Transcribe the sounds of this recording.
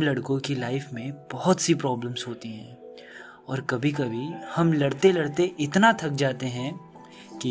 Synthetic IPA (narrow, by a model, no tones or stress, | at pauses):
lɐɽkõkilaːɪfmẽb̥ɐɦʊt̪sipɾɔːbləmzɦoːt̪iɦɛ̰̃ː | ɔːɾkɐbʱikɐbʱihɐmlɐɽt̪elɐɽt̪eʔɪt̪nat̪ʰɐk̚d͡ʒaːt̪eɦɛ̃ | ki